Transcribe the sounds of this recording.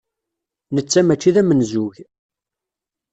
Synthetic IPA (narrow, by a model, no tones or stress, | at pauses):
nət͡sːæmæt͡ʃːiðæmənzuʝ